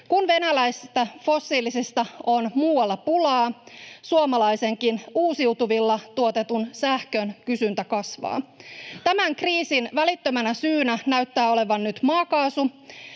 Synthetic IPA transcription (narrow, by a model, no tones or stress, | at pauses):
kunʋe̞nælæisst̪æfo̞sːiːlisist̪ɑo̞nmuːwɑlːɑpulɑːsuomɑlɑjse̞ŋkinuːsiut̪uʋilːɑt̪uot̪e̞t̪unsæhkønkysynt̪ækɑsʋɑ̰ːt̪æmæŋkriːsinʋælit̪ːømænæsyːnænæyt̪ːæːo̞le̞ʋɑnnyt̪mɑːkɑːsu